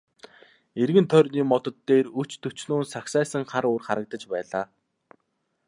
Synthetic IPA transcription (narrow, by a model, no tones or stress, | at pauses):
erɣɘ̆nt̪ʰœrʲniːmɔt̪ɞ̆t̪ːeːrɵt͡ɕt̪ʰɵt͡ɕnoːnsaksæːsə̆ŋχaɾoːrχaɾə̆k̚t̪ə̆t͡ɕpæːɮaː